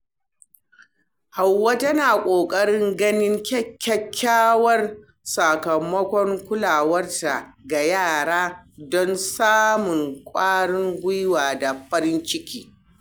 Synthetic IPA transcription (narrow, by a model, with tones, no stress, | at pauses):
ha˨wːa˦tɐ˦naː˨kʷʼoː˨kʼɐ˦ɽɪ˦ŋɡɐ˦nɪ˦ŋkʲɐ˦kʲːɐ˦kʲʰːaː˦wɐ˦r | sa˨kɐ˨mːɐ˦kʷɔ˦ŋkʷʊ˦laː˨wɐ˦rta˨ɡa˨jaː˦˨ɽaː˦dɔ˦nsaː˦mʊ˨ŋkʷʼaː˦ɽɪ˦ŋɡʷʊ˦jwaː˨da˨ɸɐ˦ɾɪ˦nt͡ʃɪ˦kʲiː˦